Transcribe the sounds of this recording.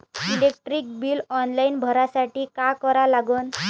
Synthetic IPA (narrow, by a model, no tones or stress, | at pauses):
ilek̚ʈɾiːk̚biːlɔnlainbʱəɾasaʈiːkakɔɾalaɡuːn